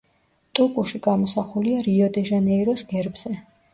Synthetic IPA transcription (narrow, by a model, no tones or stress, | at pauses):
t̪ʼukʼuʃiɡamɔsaχuliaɾiɔd̪ɛʒanɛiɾɔsɡɛɾbz̥ɛ